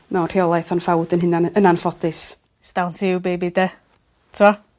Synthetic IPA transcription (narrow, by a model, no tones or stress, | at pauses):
mɛwnrhiɔlˠajθɔnfawdənɦɪnanənanfɔdɨs | sd̥awntʰibejbɪdɛ | tʰɪmɔ